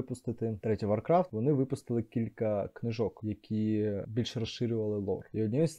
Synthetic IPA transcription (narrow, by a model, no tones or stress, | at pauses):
pʊst̪ɪt̪ɪt̪ɾɛtʲijʋɐrkɾɑft̪ʋɔnɪʋɪpʊst̪ɨlˠɪkʲilʲkɐknɪʒɔkjɐkʲʰibʲilʲʃrɐsʃɪɾʲʊʋɐlˠɪlˠɔ̰riɔdʲnʲijɛsʲ